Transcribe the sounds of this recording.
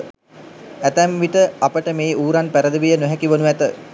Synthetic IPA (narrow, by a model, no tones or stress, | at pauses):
æt̪æmʋiʈəapəʈəmeːuːɾanpæɾəd̪əʋijənoɦɛkiʋonuæt̪ə